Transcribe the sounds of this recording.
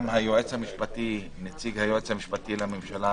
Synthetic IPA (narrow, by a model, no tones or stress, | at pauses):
mhajoʔet͡shamiʃpat̪i | net͡siɡhajoet͡shamiʃpat̪ilamemʃala